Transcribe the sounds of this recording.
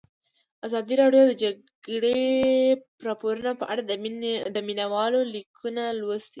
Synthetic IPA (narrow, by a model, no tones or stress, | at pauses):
azɑd̪iɾɑɖjod̪əd͡ʒa | ɡɽe | pɾɑpoɾunapəʔaɽad̪əminawɑlolikʰunalwosd̪i